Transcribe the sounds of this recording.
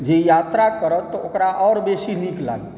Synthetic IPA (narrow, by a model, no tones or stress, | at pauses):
d͡ʒejaːt̪ɾakəɾət̪ːɔokɾaʔɔːɾbeːsinikla̰ːɡt̪